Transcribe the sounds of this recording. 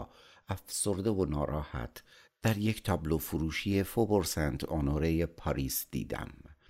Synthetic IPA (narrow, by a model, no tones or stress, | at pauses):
æfsoɾd̪evonɒːɾɒːhæ̰t̪ʰ | d̪̥æɾject̪ʰɒːblofuɾuːʃiefoboɾsænd̪onoɾejepʰɒɾiːsd̪̥ḭːd̪æ̰m